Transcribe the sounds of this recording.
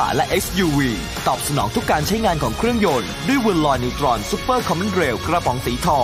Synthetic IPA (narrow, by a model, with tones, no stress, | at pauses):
lɛ˦˥ʔe˦˥sjuː˧wiː˧ | t̪ɔː˨˩p̚sa˧nɔ̰ː˩˦ŋt̪ʰu˦˥kːaː˧nt͡ɕʰa˦˥jŋaː˧nkʰɔː˩˦ŋkʰɾɯ˥˩əŋjo˧n | du˥˩əjwu˧nlɔː˧jniː˧wt̪ɾɔː˧nsuː˦˥pːəː˥˩kʰɔ˧mi˦˥nɾeː˧wkɾa˧bʰɔː˩˦ŋsiː˨˩˦t̪ʰɔː˧